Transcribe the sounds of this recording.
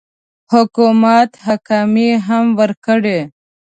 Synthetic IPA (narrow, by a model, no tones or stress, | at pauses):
hʊkumat̪hakɑmiɦamwəɾkəɽe